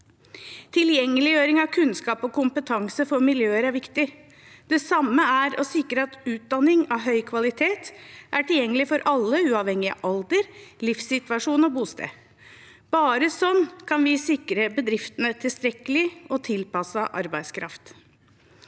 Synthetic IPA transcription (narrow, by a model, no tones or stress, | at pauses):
t̪ʰɪljɛŋːəlɪjøːɾɪŋɑʋkʰʉnskɑːpɔkʰʊmpət̪ʰɑŋsəfɔɾmɪljøːəɾæɾʋɪkt̪ɪ | d̪̥ɛsɑmːəæɾɔsɪkːɾəɑt̪ʉːt̪̚d̪ɑnɪŋɑʋɦœʏkʰʋɑlɪt̪ʰeːt̪ʔæʈɪljɛŋːəlɪfɔɾʔɑlːəʉːɑʋhɛŋːɪɑ̰ʔɑld̪əɾlɪfsɪt̪ʋɑʂuːnɔbuːst̪ḛː | b̥ɑːɾəsɔnːkʰɑnʋɪsɪkɾəbəd̪ɾɪft̪ənət̪ʰɪlst̪ɾɛkəlɪɔt̪ʰɪlpɑsɑʔɑ̰ɾbæɪd̪skʰɾɑ̰ft̪